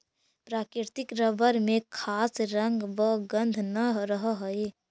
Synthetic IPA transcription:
pɾaːkɾɪɾt̪ɪkɾəbəɾmẽkʰaːsɾə̃ŋɡʋəɡə̃nd̪ʱnəɾəɦɦəe

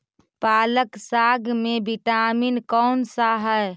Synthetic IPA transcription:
paːləksaːɡmebiʈaːminkɔːnsaɦəɾ

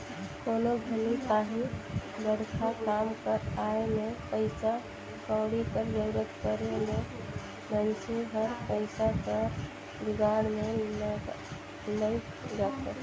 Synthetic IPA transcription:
konobʱəlikaɦĩbəɽkʰakamkəɾaemepəɪsa | kãwɽikəɾd͡ʒəɾət̪kəɾeme | mənt͡ʃʰeɦəɾpəɪsakə | biɡaɽme | nəj | d͡ʒat̪e

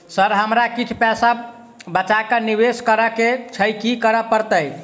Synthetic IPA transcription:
səɾɦəmɾakit͡ʃʰpɛsa | bət͡ʃakəniβeskəɾəket͡ʃʰəjkikəɾəpəɾt̪əj

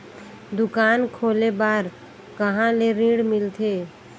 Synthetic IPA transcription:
d̪ukaːnkʰolebaːɾ | kəɦãleɾĩɽmilt̪ʰe

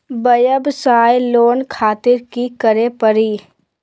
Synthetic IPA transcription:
bəjəbsaːjloːnkʰaːt̪ɪɾkikəɾepəɾiː

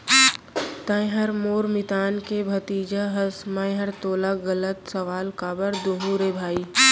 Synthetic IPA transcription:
t̪ə̃j̃ɦəɾmoːɾmɪt̪aːnkebʱɐt̪iːd͡ʒaɦɐsmə̃j̃ɦəɾt̪oːlaɡɐlət̪sɐʋaːlkaːbəɾd̪uɦuːɾebʱaːiː

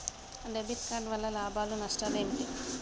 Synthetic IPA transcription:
ɖebit̪kaːɳɖʋɐlːɐlaːbaːlunɐsʈaleːmiʈi

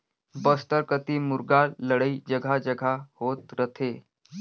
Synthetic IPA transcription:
bəst̪əɾkət̪iːmuɾɡaləɽəid͡ʑəɡʱad͡ʑəɡʱahot̪ɾət̪ʰe

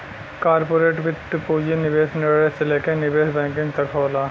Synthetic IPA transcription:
kaːɾpoːɾeːʈʋɪt̪ːpuːd͡ʒinɪbeːsneɽeselekenɪbeːsbɛ̃ːŋkɪ̃ŋɡt̪ɐkʰɦoːlaː

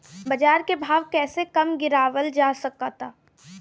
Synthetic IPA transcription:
bɐd͡ʒaːɾkebʱaːʋkɛːsekɐmɡɪɾaːʋəld͡ʒaːsɐkat̪ʰaː

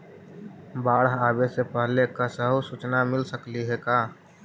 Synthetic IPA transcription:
baːɽɦaːbesepəɦlekasəɦusut͡ʃnamɪlsəkliɦɛkaː

